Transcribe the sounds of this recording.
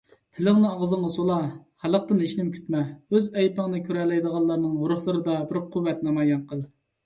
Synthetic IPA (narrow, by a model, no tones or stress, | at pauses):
t̪ʰɪlɪŋnɨɑʁzɨŋəsolˠɑhælˠəq̚t̪ɨneʃnɪmkʲʰy̥t̪mɛøzɛjpəŋənɨkʲʰøɾɛlːɛjd̪əʁɑlˠːɑɾnɨŋuɾʊχlˠɨɾɨd̪ɑbɪɾqʰuwːɛt̪nɑmɑjɑnqʰəlˠ